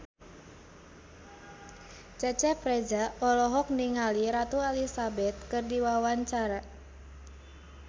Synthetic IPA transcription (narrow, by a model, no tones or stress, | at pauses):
t͡ʃɛt͡ʃɛfɾed͡ʒaɔlɔɦɔk̚niŋaliɾat̪ualisabɛt̪̚kɨrdiwawaɲt͡ʃaɾa